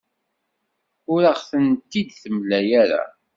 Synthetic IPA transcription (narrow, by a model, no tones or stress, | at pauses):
ʊɾaʁθənt̪ːid̪θəmlæjæɾa̰